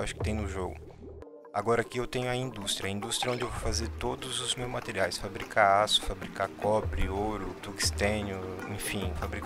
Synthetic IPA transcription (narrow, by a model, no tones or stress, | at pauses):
waʃʊ̥kɪ̥t̪ẽj̃nʊʒoɡʊ̰ | a̰ɡɔɾɐkiewt̪ẽɲʊɐĩnd̪ust̪ɾʲiɐĩd̪ust̪ɾɐõd͡ʒɪewvowfazeɾt̪od̪ʊzʊzmewzmat̪eɾiajsfabɾikʰaasʊ̥fabɾikakɔbɾɪoɾʊt̪uki̥st̪ẽnʊẽfĩfabɾik